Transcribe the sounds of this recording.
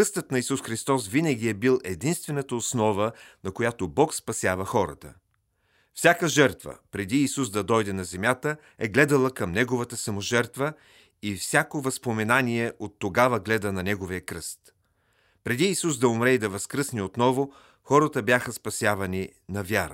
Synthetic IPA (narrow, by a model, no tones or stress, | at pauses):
kɾɤst̪ət̪nɐisusxɾist̪ɔsvinəɡ̟ʲiɛbilˠɛd̪inst̪vɛnət̪əosnɔvənɐkojat̪obɔkspɐsʲjavɐxɔɾə̰t̪ə̰ | fsʲakəʒɛɾt̪və̰pɾɛd̪iːsuzd̪ɐd̪ɔjd̪ɛnɐzɛmʲjat̪ə | ɛɡlɛd̪əlˠəkɐmnɛɡovət̪əsɐmoʒɛɾt̪və | ifsʲakovɐspomɛnaniɛʔot̪ːoɡavɐɡlɛd̪ənɐnɛɡoviəkɾɤst̪ | pɾɛd̪iːsuzd̪ɐʊmɾɛid̪ɐvɐskɾɤsniot̪nɔvo | xɔɾət̪əbjaxəspɐsʲjavɐni | nɐvʲjaɾə̰